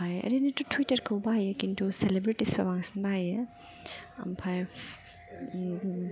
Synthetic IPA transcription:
ajḛɾinitutʰwitɐɾkʰawbajekintʰuselebɾitisba̰baŋsinbaje | a̰mpʰaj

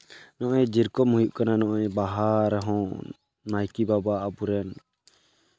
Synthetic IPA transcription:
nɔʔɔjɛd͡ʒiɾkɔmuɦuʔkananɔʔɔɛbaɦaɾaɦɔ̃ | najkibabaːbuɾɛn

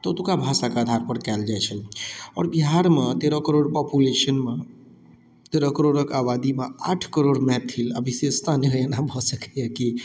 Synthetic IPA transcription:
t̪ɔt̪ukabʱasakeəd̪ʱaɾpəɾkɛld͡ʒajt͡ʃʰəlɔːɾbiɦaɾmet̪eɾɔkəɾoɽpɔpulesənme | t̪eɾɔkəɾoɽəkabad̪imea̰ʈʰkəɾoɽmɛt̪ʰːilə̰bʱisest̪ʰanəenabʱɔsəkɛjɛki

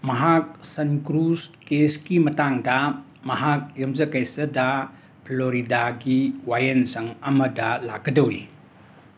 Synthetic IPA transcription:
mɐɦak̚sɐnkɾuskeskimɐtaŋdɐ | mɐɦak̚jɐmzɐkɐjsɐdɐ | pʰloɾidaɡiwajɐnsɐŋɐmɐdɐla̰ɡːɐdɐwɾi

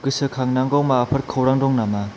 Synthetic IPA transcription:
ɡɯsɯkʰaŋnaŋɡɔwmaːpʰɐɾkʰɯwɾaŋdɔŋnama

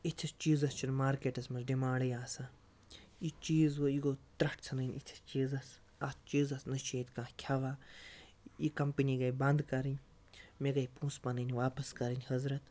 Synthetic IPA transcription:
it͡ʃʲʰɐst͡ʃiːzɐst͡ʃʰinmaːɾkeːʈɐsmɐzɖimaːɳɖɐjaːsã | it͡ʃiːzoiɡot̪ɾɐʈʰt͡sʰɐnɐnʲit͡ʃʰi̥st͡ʃiːzɐs | ɐst͡ʃiːzɐsnɐʃeːt̪kãːkʲʰaʋaː | ikɐmpəniɡɐjbɐ̃nd̪kɐɾinʲ | meɡɐjpũːspɐnɐnʲʋaːpɐskɐɾinʲhɐzɾɐt̪

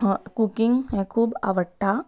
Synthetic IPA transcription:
kukĩŋɡhɛ̃kʰuːba̰ʋəʈːa

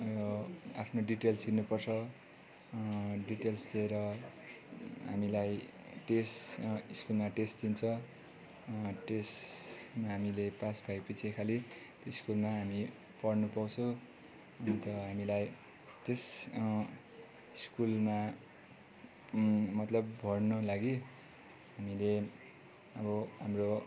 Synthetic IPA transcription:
apʰnoɖiʈelsinupʌrt͡sʰʌ | ɖiʈelsd̪ieɾʌ | ɦamilaj | ʈesiskulmaʈesʈd̪int͡sʰʌ | ʈesmaɦamilepasbʱajpit͡sʰekʰalit̪oiskulmaɦami | pʌɽnupawt͡sʰʌ̃ | nt̪ʌɦamilaj | t̪es | iskulma | mʌt̪lʌbbʱʌrnʌlaɡi | ɦamile | ʌbʌɦamro

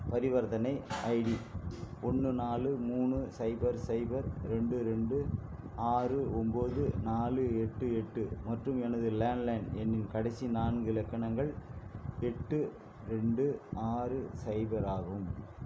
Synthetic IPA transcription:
pɐɾɪʋɐɾðɐnɐɪɐɪɽiɔɳːɯnaːlɯmuːɳɯsɐɪbɐɾsɐɪbɐɾɾɛɳɖɯɾɛɳɖɯ | aːrɯɔmboːðɯnaːlɯɛʈːɯɛʈːɯmɐʈrɯmɛnɐðɯleːnlɐɳɛnːɪnkɐɽɐɪsinaːnɡɯɪlɐkːɐɳɐŋɡɐɭ | ɛʈːɯ | ɾɛɳɖɯʔaːɾɯsɐɪbɐɾaːɣɯm

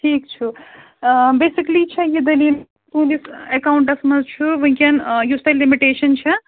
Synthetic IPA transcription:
ʈʰiːkt͡ʃʰu | beːsiklit͡ʃʰɛjid̪ɐliːl | t̪uːnisekaːwɳʈɐsmɐzt͡ʃʰuʋɐ̃ɦkʲɐnjusʈ̪ɐlːimiʈeːʃɐnt͡ʃʰɛ

